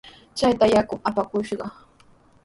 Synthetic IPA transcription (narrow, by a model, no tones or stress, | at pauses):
t͡ʃajt̪ajakʊŋapakʊʃɢɑ